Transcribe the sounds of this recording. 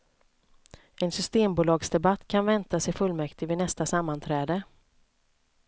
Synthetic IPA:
ɛnsʏst̪eːmbuːlɑːɡsd̪ɛbat̪ːkʰanvɛnt̪asɛjfɵlːmɛkt̪ɪvɪnɛst̪asamːant̪ʰɾɛːd̪ə

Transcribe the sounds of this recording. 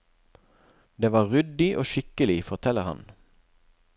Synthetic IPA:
d̪eːʋɑːʁʏd̪ɪʔo̰ːʃɪkəlɪfɔʁt̪ʰɛləʁhɑ̰n

